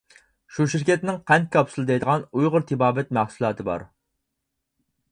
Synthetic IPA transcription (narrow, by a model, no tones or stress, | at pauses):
ʃuʃiɾkʲʰɛt̪nɪŋqʰɛnkʲʰɑpsɨlˠɨd̪ɛjd̪əʁɑnujʁʊɾt̪ʰɪbɑːbɛt̪̚mæχsulˠɑːt̪ʰɨbɑ̰ɾ